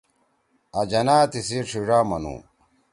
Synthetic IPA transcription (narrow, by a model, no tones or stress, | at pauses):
ɐd͡ʑɐnaːt̪isiʈ͡ʂʰiʐaːmɐ̰nṵː